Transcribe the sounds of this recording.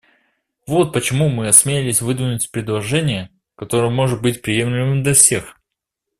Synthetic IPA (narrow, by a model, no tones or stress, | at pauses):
vo̞t̪̚pət͡ɕɪmumɨɐsmʲeɪlʲɪsʲvɨd̪vʲɪnʊtʲpɾʲɪd̪lˠɐʐɛnʲɪjə | kɐt̪o̞ɾəjəmo̞ʐɨt̪̚bɨtʲpɾʲɪje̞mlʲɪmɨmd̪lʲɐfsʲe̞x